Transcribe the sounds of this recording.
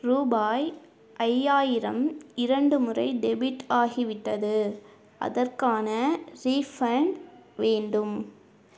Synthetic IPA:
ruːbaːj | ʔɐjːaːjɪɾɐmɪɾɐɳɖɯmɯrɐɪɖɛbɪʈaːɣiʋɪʈːɐðɯ | ʔɐ̰ðɐrkaːnɐɾiːfɐɳʋeːɳɖɯm

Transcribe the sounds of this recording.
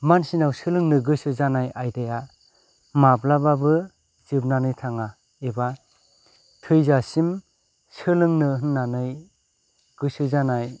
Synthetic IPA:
mansinawsɯlɯŋnɯɡɯsɯzanajajdaja | mablababɯ | zɯb̚nanɯjtʰaŋa | eba | tʰɯjzasim | sɯlɯŋnɯɦɯnːanɯj | ɡ̥ɯsɯzanaj

